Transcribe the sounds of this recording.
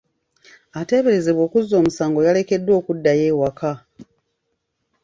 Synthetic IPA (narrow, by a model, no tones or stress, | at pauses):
ate̞ːβe̞ɾe̞ze̞βwo̞ːkuzːo̞ːmusaːŋɡo̞jale̞ke̞dːwo̞ːkudːaje̞ːwakʰa